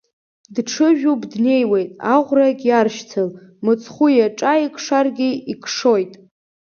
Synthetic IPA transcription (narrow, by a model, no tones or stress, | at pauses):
dʈ͡ʂʰɨʒᶣubdne̞jwejtʼaʁʷrakʲʼjarʃtʰɨl | mɨt͡sʰχʷujaʈ͡ʂʼaikʰʂarɡʲiikʰʂo̞jtʼ